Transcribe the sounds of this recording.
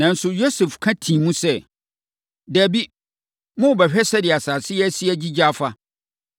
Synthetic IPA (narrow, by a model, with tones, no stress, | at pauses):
nã˨n̩˦sʊ˨jo˦sɛ˨fkʰã˦tʰĩ˨mũ˦sɛ˦ | dæ˨bi˦ | mʊ̃˦wbɛ˨ɕᶣɛ˦sɛ˦dɪ˨a˨saː˨sɪ˦jɛ˦sɪ˦ɛ˦d͡ʑi˦d͡ʑa˦fa˦